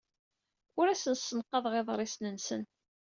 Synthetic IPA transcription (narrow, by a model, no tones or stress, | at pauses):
ʊɾæsənsːənqːɑðˤʁeðˤɾˤɪsnənsən